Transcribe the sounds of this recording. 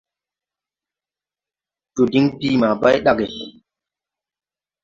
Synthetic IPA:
d͡ʒo˨di˦ŋdiː˦ma˨ba˦jɗa˦ɡe˨

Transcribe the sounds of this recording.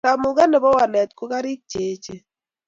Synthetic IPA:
a˨mʊ˨ɡa˦nɛ˨bɔ˦wa˨lɛ˨t̪ko˦ka˦ɾi˦k̚t͡ʃeː˨t͡ʃe˨

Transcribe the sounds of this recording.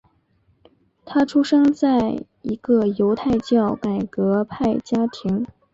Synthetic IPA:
t̪ʰa˥ʈ͡ʂʰu˥ʂɤ˥ŋt͡sa˥˩ɪ | i˧˥ɡ̥ə˧jo˧˥ʊt̪ʰa˥˧ɪt͡ɕjɑ˥˩ʊka˨˩ɪkɤ˧˥pʰa˥˩ɪt͡ɕja˥t̪ʰi˧˥ŋ

